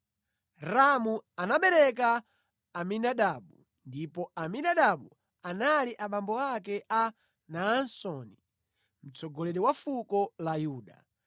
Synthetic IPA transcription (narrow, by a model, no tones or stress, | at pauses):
ɾamuanaɓɛɾɛk̬aː | minaɗaɓu | ndipɔaminaɗaɓu | analiʔaɓambɔakɛʔa | naːnsɔni | m̩t͡sɔɡɔlɛɗɛwafukɔlajuːɗa̰